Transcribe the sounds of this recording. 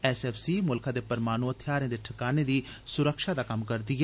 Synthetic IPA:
ɛsɛːfʰsiːmʊlkʰãːd̪eːpəɾmaːnuːət̪ʰjaːɾẽd̪eːʈʰəkaːneːd̪iː | sʊɾəkʃaːd̪aːkəmkəɾd̪iːɦɛː

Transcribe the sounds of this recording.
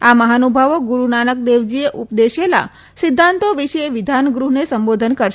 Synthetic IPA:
aməɦanubʱaʋoɡuɾunanək̚d̪eʋd͡ʒieʔupd̪eʃela̰ | sɪd̪ʱːant̪oʋiʃəeʋid̪ʱanɡɾuɦnesəmbod̪ʱənkəɾʃ

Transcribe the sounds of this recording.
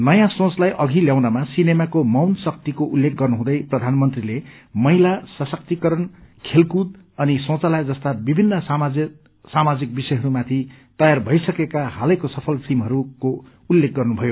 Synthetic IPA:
nʌjãsõt͡slajʔʌɡʱiljawnamasinemakomʌwnsʌk̚t̪ikoʔulːek̚ɡʌrnuɦũd̪ʌjprʌd̪ʱanmʌnt̪rilemʌilasʌsʌk̚t̪ikʌɾʌnkʰelkud̪̚ | ʌnisõt͡sʌlad͡zʌst̪abibʱinːʌsm | samad͡zik̚bisʌjɦʌɾumat̪ʰit̪ʌjarbʱʌjsʌkekahalʌjkosʌpʰʌlsimɦʌɾuko | ulːek̚ɡʌrnubʱʌjo

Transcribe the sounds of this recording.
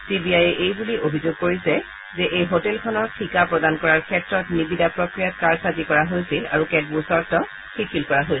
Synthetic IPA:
sibiajɛʔejbuliobʱizoɡ̚koɹisɛ | zɛʔejɦotɛlkʰɔnɔɹtʰikapɹɔdankɔɹaɹkʰɛtɹɔtnibidapɹɔkɹijat̚kaɹsazikɔɹaɦojsila̰ɹukɛd̚busɔɹtɔ | xikʰilkɔɹaɦojs

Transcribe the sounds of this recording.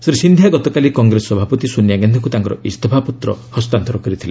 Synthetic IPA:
seɾesind̪ʱjaɡɔt̪ɔkalikɔŋɡɾesːɔbʱapɔt̪isunjaɡɛnd̪ʰɔŋkut̪aŋkɔɾɔ̰ist̪ɔbʰʱaput̪ɾɔ̰hɔst̪ant̪ɔɾɔkɔɾit̪ʰile

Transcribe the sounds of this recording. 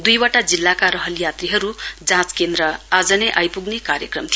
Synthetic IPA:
d̪ujwaʈad͡zilːakaɾʌɦʌljat̪riɦʌɾud͡zãt͡skend̪ɾʌad͡zʌnʌʔajpuɡnekaɾjʌkrʌmt̪ʰi

